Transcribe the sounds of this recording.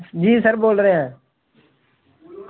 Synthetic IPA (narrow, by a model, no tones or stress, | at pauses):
d͡ʒiːsəɾboːlɾeãː